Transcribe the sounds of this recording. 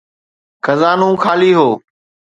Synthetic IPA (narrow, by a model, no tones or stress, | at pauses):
xʰəzaːnũːkʰaːliːɦoː